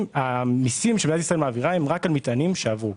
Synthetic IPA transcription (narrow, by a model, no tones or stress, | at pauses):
mamisimʃemidat̪isʁaelmaːviʁaemʁakalmit̪animʃe̞avʁu